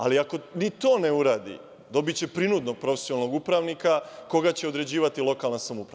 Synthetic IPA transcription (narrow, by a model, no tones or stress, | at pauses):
a̰liako̞nit̪o̞ːneuɾaːd̪ḭ | d̪o̞bit͡ɕe̞pɾinud̪no̞ɡ̚pɾo̞fe̥sjonalnoɡupɾaʋnikako̞ɡat͡ɕe̞o̞d̪ɾe̞d͡ʑiːʋat̪ilo̞kalnasamupɾa